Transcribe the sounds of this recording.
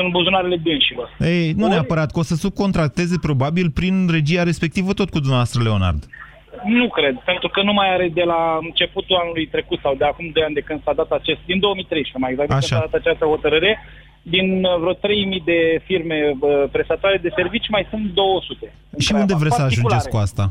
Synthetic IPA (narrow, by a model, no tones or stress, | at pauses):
sunbuzunaɾe̞le̞d̪ɨnʃilo̞rejnuneapəɾat̪̚kəo̞səsuko̞nt̪ɾak̚t̪e̞ze̞pɾo̞babilpɾinre̞d͡ʒiaɾe̞spe̞k̚t̪ivət̪o̞t̪̚kud̪umnavavast̪ɾəle̞o̞na̰rd̪ | nukɾe̞d̪̚pe̞nt̪ɾukənumajaɾed̪e̞laɨnt͡ʃe̞put̪uanulujt̪ɾe̞kut̪sawd̪eakumd̪o̞jand̪e̞kɨnsad̪at̪at͡ʃest̪̚d̪ind̪o̞wəmijt̪ɾejʃpemajeɡzak̪̚aeʃaad̪at̪at͡ʃast̪əho̞t̪əɾɨɾe | d̪invɾot̪ɾe̞jmijd̪e̞firme̞əpɾe̞st̪at̪oaɾe̞d̪e̞se̞rvit͡ʃʲmajsunt̪d̪o̞wəsut̪e̞ | ʃiund̪e̞vɾesəaʒund͡ʒeskuast̪a